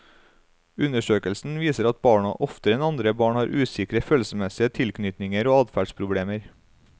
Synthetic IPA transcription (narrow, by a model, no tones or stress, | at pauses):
ʉnəʃøːkəlsn̩ʋiːsəɾɑt̪̚bɑːɳɑ̰ʔɔft̪əɾɛnɑnd̪ɾəbɑːɳhɑːɾʔʉːsɪkɾəføːlsəmɛsɪət̪ʰɪlknʏt̪nɪŋəɾoːɑːd̪fæːɖspʰɾʊbɽeːməɾ